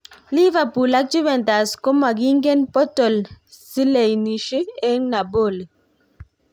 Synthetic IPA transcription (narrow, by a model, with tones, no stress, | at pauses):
li˦va˨pu˨la˦k̚d͡ʒu˦βɛ˨nta˨sko˦ma˨ɡi˦ŋ˦ɡe˦npɔ˦tɔ˨lsi˦le˨jni˨ʃi˦e˦ŋna˨bo˦˨li˨